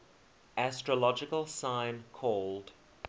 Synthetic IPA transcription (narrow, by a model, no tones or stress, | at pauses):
ʔæstɹəlɔd͡ʒɪkəlˠsãɪ̃nkʰɔːlˠd̥